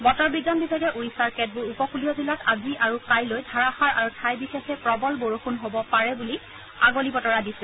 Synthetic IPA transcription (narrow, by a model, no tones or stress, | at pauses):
bɔtɔɹbiɡanbibʱajɡɛʔuisaɹkɛt̚bʊɹupɔkʰulijɔzilatʰaziʔaɹukajlojdʱaɹaxaɹʔaɹutʰajbixexɛpɹɔbɔlboɹoxunɦobɔpaɹɛbuli | aɡolibɔtɔɹadisɛ